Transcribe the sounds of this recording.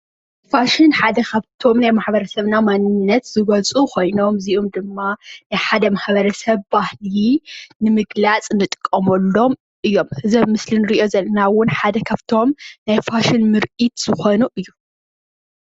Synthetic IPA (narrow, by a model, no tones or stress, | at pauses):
faʃɪnħad̪ɐkʰɐβt̪ʰo̞mnajmaħbɐɾɐsɐβnamanːɨnːɐt̪z̥ɨɡɐt͡sʼukʰo̞jno̞mziʔomd̪ɨmːanajħad̪ɐmaħbɐɾɐsɐβbahlinɨmɨɡlat͡sʼnɨt̪ʼkʼːɐmɐlːo̞m | ʔɨjːo̞mhɨzɐβmɨslɨnɾiʔjo̞zɐlːɐnawʊnħad̪ɐkʰɐβt̪ʰo̞mnajfaʃɪnmɨɾʔit̪z̥ɨxo̞nuʔɨjːu